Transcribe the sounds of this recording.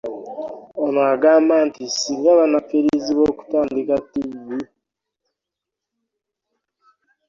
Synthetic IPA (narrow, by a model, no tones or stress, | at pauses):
onoaɡaːmbantisiːŋɡaβanafiɾiziβo̞ːku̥taːndikatːivu